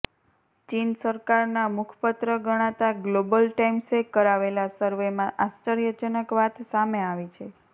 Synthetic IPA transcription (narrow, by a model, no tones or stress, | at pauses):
t͡ʃinsəɾkaɾnamʊkʰpət̪ɾəɡəɽ̃at̪aɡlobəlʈaimsekəɾaʋelasəɾʋemãʔast͡ʃəɾjət͡ʃənəkʋat̪ʰsameaʋit͡ʃʰe